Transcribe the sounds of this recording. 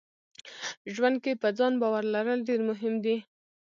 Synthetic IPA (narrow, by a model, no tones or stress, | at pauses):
ʒwand̪̚kepəd͡zɑnbɑwaɾlaɾəlɖeɾmʊɦɪmd̪i